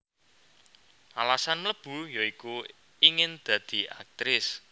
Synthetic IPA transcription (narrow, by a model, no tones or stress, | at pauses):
ʔalasanmləb̥ṳjoiku | iŋɪnd̪̥ä̤d̪̥i̤ʔa̰k̚t̪ɾɪs